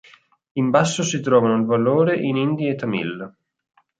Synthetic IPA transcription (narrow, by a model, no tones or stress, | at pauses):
imbasːosit̪ɾɔːvanoilvaloːɾeʔinind̪iet̪ːamḭl